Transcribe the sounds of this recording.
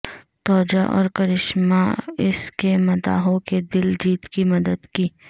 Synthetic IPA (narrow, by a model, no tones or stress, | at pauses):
t̪ɔːd͡ʒaʔɔ̰ːɾkɐɾɪʃmaɪskemɐt̪a̰ːɦõked̪ɪld͡ʒiːt̪kimɐd̪əd̪kiː